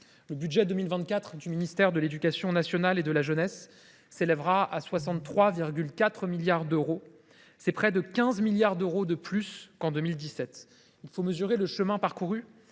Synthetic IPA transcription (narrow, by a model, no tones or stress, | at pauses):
ləbyd̪ʒɛd̪əmilvɛ̃t̪̚kʲat̪χd̪yminist̪ɛʁd̪əled̪ykʲasjɔ̃nasjɔnaled̪əlaʒənɛsː | elɛvʁaʔaswasɑ̃t̪ːχwaviʁɡʲylkat̪χəmiljaʁd̪øʁo | sɛpχɛd̪əkʲɛ̃zmiljaʁd̪øʁod̪əplyskɑ̃d̪ømild̪isɛt̪ | ilfoməzyʁeləʃəmɛ̃paʁkuʁy